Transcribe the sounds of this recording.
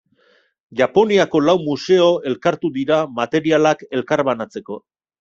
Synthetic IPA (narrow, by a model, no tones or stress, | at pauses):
ʝapo̞niako̞lawmuse̞o̞e̞lkaɾt̪uðiɾamat̪e̞ɾialake̞lkaɾβanat͡se̞ko̞